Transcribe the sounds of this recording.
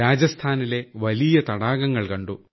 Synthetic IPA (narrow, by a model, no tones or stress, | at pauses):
aːd͡ʑɐst̪ʰaːnile̞ʋɐlijɐt̪ɐɽaːɡɐŋːɐɭkɐɳɖu